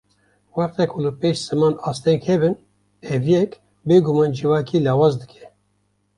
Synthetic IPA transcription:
waɾt̪ɛkʰulɨpeːʃz̥ɨmaːnaːst̪ɛŋkhɛbɨn | ɛvijɛk | beːɡumaːnd͡ʒɨvaːkʰiːlaːwaːzd̪ɨkʰɛ̥

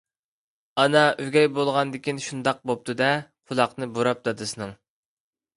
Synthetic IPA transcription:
ɑnɑyɡʲɛjbolˠʁɑnd̪ɪkʲinʃund̪ɑq̚bop̚t̪ʰɨd̪ɛqʰʊlˠɑqnɨboɾɑp̚d̪ɑd̪ɨsɨnɨŋ

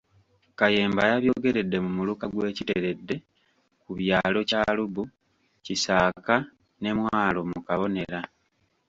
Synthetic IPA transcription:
kaje̞ːmbajaβjo̞ɡe̞ɾe̞dːe̞mumulukaɡwe̞ːciteɾe̞dːe̞ | kuβjaːlo̞caːlubu | cisaːka | ne̞mwaːlo̞mukaβo̞ne̞ɾa

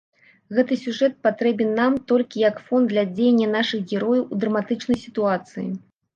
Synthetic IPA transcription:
ɣɛt̪ɨsʲuʐɛt̪̚pat̪ɾɛbʲɛnːamt̪ɔlʲkʲijɐkfɔnd̪lʲɐd͡zʲejɛnʲːɐnaʂɨxɣʲɛɾɔjɐwud̪ɾɐmat̪ɨt͡ʂnɐjsʲit̪uat̪sɨjḭ

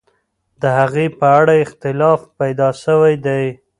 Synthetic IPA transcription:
d̪əhaɣepəaɽaɪxt̪ɪlɑfpajd̪ɑʃəwajd̪aj

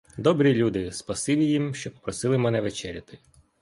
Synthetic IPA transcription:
d̪ɔbɾʲilʲud̪ɪspɐsɪlʲijimʃt͡ʃɔppɾɔsɪlˠɪmɛnɛʋet͡ʃɛɾʲɐt̪ɪ

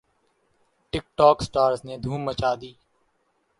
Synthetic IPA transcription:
ʈɪk̚ʈɔːksʈaːɾzneːd̪ʱuːmːət͡ʃaːd̪iː

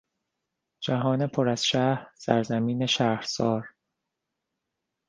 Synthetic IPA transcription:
d͡ʒæɦɒːnepʰoɾæz̥ʃæːhɾsæ̰ɾzæmiːne̞ʃæːhɾsɒːɾ

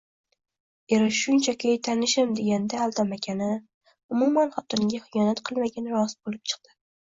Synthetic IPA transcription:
eɾɪʃʃʊnt͡ʃʰakʲʰejt̪ʰanɪʃɪmd̪e̞ɡʲand̪aːlˠt̪ʰamakʲʰanɪ | ʊmumanχɒt̪ʰɪŋɡʲaχɪjɒnat̪qʰɨlˠmaɡʲanɪɾɒsbolˠɪp̚t͡ʃʰɨ̥q̚d̪̥ɪ

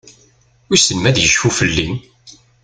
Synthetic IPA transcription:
wisənmæðjəʒfufəlːin

